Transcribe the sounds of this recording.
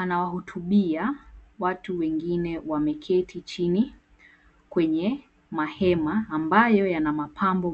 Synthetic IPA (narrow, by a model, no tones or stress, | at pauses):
anawahutʰuɓiawatuwɛŋɡinɛwamɛkʰɛtʰit͡ʃini | kwɛɲɛ | mahɛmaːmbajɔjanamapʰambɔ